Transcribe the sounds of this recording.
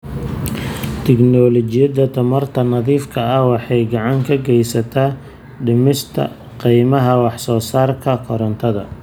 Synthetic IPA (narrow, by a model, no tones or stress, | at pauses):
t̪ʰɪɡnɔlɔt͡ʃɪjɐd̪ɐt̪ʰɐmɐrt̪ʰɐnɐðiːfkʰɐɐwɑħɑjɡɑʕɑŋkʰɐɡɛjsɐt̪ʰaː | ɖɪmɪst̪ʰɐ̰ | qijmɐɦɐwɑħsɔːsaːrkʰɐkʰɔɾɐnt̪ʰɐðɐ̰